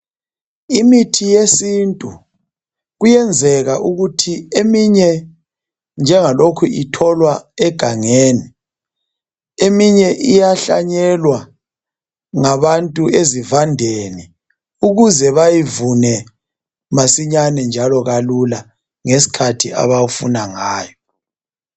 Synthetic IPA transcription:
imitʰijesintʼu | ɣujɛnd͡zʱɛɣaʔuɣutʰiemiɲɛ | nd͡ʒʱɛŋalokʰuitʰɔlwaɛɡ̥ʱaŋeːni | emiɲɛʔijaɬa̰ɲɛlwa | ŋaβantʼuezivandʱeni | uɣuzɛβajivunɛ | masiɲanɛnd͡ʒʱalɔɣalula | ŋesi̥kʰatʰia̰βaufunaŋaːjɔ

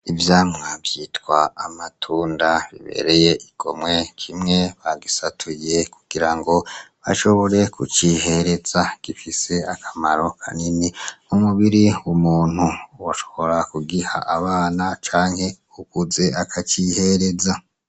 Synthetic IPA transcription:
ivjaːmŋavjiːtkwaːmatʰuːndaβḭβe̞̰ɾe̞je̞iɡ̥o̞mŋe̞kʰimŋe̞βaɡisatʰuje̞ku̥ɡ̥iɾaŋɡo̞βa̰ʃo̞βo̞ɾe̞kut͡ʃihe̞ɾe̞zaɡ̥ifise̞akʰamaɾo̞kʰa̰niniumuβiɾiwumuːn̥huwaʃo̞̥βo̞ɾakuɡiha̰ʔːβaːnat͡ʃaːŋhe̞ | ukuze̞akʰat͡ʃihe̞ɾe̞za

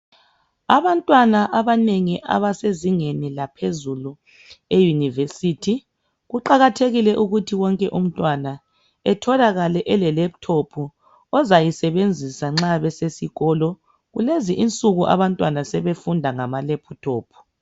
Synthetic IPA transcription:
aβantʼwanaʔaβaneŋiʔa̰βaseziŋenilapʰezulu | ejunivesitʰi | ɣuǃaɣatʰeɣilɛʔuɣutʰiwɔŋkʼɛʔum̩tʼwana | ɛtʰɔlaɣalɛʔɛlɛlɛp̚tʰopʰu | ɔzajisɛβend͡zʱisaŋ͡ǁaβɛsesiɣɔlɔ | ɣuleziʔint͡sʼuɣuʔa̰βantʼwanasɛβefundʱaŋamalɛpʰutʰoːpʰu̥

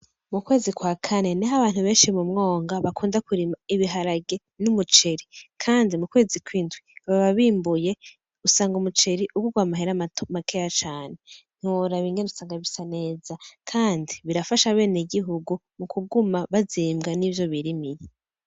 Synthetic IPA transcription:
mukwe̞ːzikwaːkʰane̞niɦaβaːn̥huβe̞ːnʃimumŋo̞ːŋɡaβakʰuːndakuɾimaiβiɦaɾaɡe̞ | numut͡ʃeɾikʰaːndimukwe̞ːzikwiːndɡwiβaβaβiːmbuje̞ | usaːŋɡumut͡ʃe̞ɾiʔuɡuɡwamaɦeɾamakʰejat͡ʃaːne̞n̥huɾaβiːŋɡe̞nusaːŋɡaβisane̞ːzakʰaːndiβiɾafaʃaβe̞ːneɡiɦuɡumukʰuɡumaβaziːmɡanivjo̞βiɾimiɾe

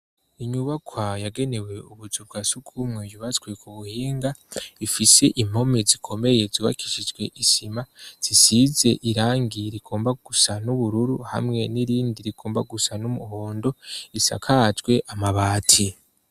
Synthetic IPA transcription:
iɲuβakwajaɡe̞ne̞we̞uβuzub̚ɡaːsukʰumŋe̞juβat͡sɡwe̞kʰuβuhiːŋɡaifise̞ʔim̥o̞mizikʰo̞me̞je̞ziwa̰kʰi̥ʃid͡ʒɡwe̞ʔisimaz̥isize̞ʔiɾaːŋɡiɾiɡ̥o̞ːmbaɡ̥usanuβuɾuɾuha̰mŋe̞niɾiːndiɾiɡ̥o̞ːmbaɡusanumuho̞ːndo̞isa̰kʰat͡ʃɡwe̞ʔamaβaːtʰi

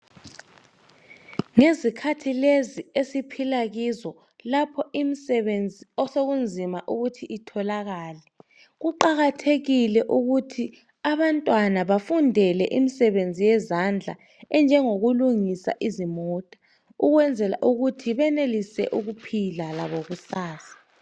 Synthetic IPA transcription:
ŋezikʰatʰileziesipʰilaɣizɔ | lapʰɔimisɛβend͡zʱiɔsoɣund͡zʱimaʔuɣutʰiʔːtʰɔlaɣaːlɛ | ɣuǃaɣatʰeɣilɛʔuɣutʰi | aβantʼwanaβafundʱɛlɛʔimisɛβend͡zʱijɛzand͡ɮʱa̰ | ɛnd͡ʒʱɛŋoɣuluŋisa̰ʔizimɔːtʼa | uɣwɛnd͡zʱɛla̰ʔuɣutʰiβɛnelisɛ̰ʔuɣupʰilala̰βoɣusaːsḁ

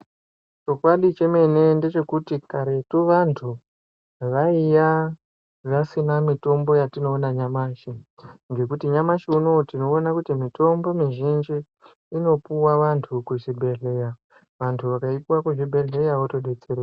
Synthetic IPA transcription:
t͡ʃo̞kwaɗit͡ʃe̞me̞ne̞nde̞t͡ʃe̞kutikaɾe̞tuʋantʰu | ʋaija | ʐasinamito̞mbo̞jatino̞ːnaɲamaːʃiŋɡe̞kutiɲamaʃiuno̞tino̞ːnakutimito̞mbo̞miʒind͡ʒiː | no̞puwaʋantʰukuʐibʱeɮe̞ja | ʋantʰuʋakaipuwakuʐibʱe̞ɮe̞jaʋotoɗe̞t͡sere

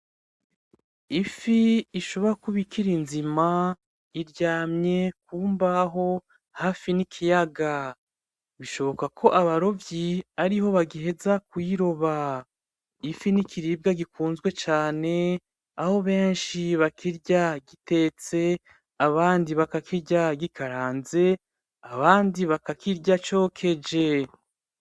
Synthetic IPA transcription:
ifiːʃo̞βo̞ɾakuβikiɾinzima | iɾɟaːmɲe̞kuːmbaɦo̞ | haːfinikʰijaɡa | βiʃo̞βo̞kakʰo̞ʔaβaɾo̞vjiaɾiɦho̞βaɡiɦe̞zakwiɾo̞βa | ifinikʰiɾiːb̚ɡaɡikuːnzɡwe̞t͡ʃaːne̞ | aho̞βe̞ːnʃiβakʰiɾɟaɡite̞ːt͡se̞ | aβaːndiβakakʰiɾɟaɡikʰaɾaːnze̞ | aβaːndiβakakiɾɟat͡ʃo̞kʰe̞d͡ʒe̞

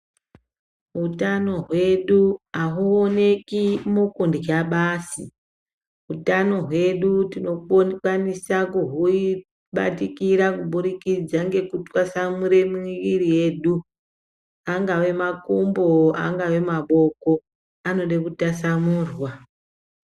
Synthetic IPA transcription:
ɦutano̞ɦwe̞ɗuaɦuone̞kimukundikaɓaːsi | ɦutano̞ɦwe̞ɗutino̞kwanisakuɦui | ɓa̰tikiɾakuɓuɾikid͡zaŋɡe̞kutwasamuɾe̞miʋirije̞ɗu | aŋɡawe̞makumboa̰ŋɡawe̞maɓo̞ko̞ | ano̞ɗekutasamuːrwa

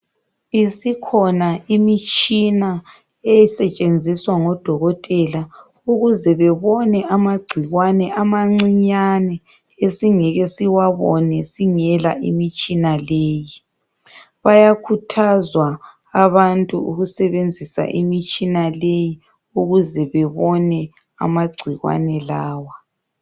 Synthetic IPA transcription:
isikʰɔnaimit͡ʃʼina | ejisɛt͡ʃʼend͡zʱiswaŋɔd̥ʱɔɣɔtʼɛla | uɣuzɛβɛβɔnɛʔamaɡ͡ǀʱiɣwanɛʔamaŋ͡ǀiɲanɛ | esiŋɛɣɛsiwaβɔnɛsiŋɛlaʔḭmit͡ʃʼinaleːji | βajakʰutʰazwa | aβantʼuuɣusɛβend͡zʱisa̰ʔimit͡ʃʼinaleji | uɣuzɛβɛβɔnɛ | a̰maɡ͡ǀʱiɣwa̰nɛlaːwa

